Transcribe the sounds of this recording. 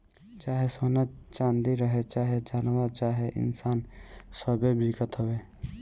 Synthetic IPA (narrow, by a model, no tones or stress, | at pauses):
t͡ʃaːɦesoːnət͡ʃãːnd̪iɾəɦet͡ʃaːɦet͡ʃaːnʋat͡ʃaːɦeʔɪ̰nsaːnsəbebɾiːkət̪ɦoʋeː